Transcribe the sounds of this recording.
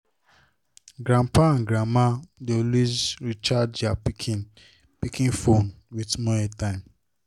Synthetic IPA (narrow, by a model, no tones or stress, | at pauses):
ɡɾãmpãnɡɾamadolizɾit͡ʃadd͡ʒapikʰin | pikĩnfon | witmɔɛtãɪ̃m